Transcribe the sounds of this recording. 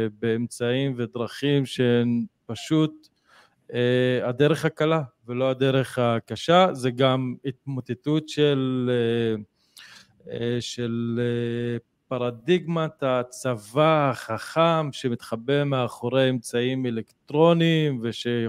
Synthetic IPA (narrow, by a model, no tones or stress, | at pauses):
beːmt͡saimve̞d̪ʁaχimʃeenpaʃut̪̚ | ead̪e̞ʁeχhakalavelo̞ad̪eʁe̞χakaʃazeɡamit̪̚mot̪etut̪ʃele | ʃele | paʁad̪iɡmat̪hat͡savahaχaχamʃe̞mit̪χabemeaχoʁeemt͡saimelekt̪ʁo̞niːmveʃe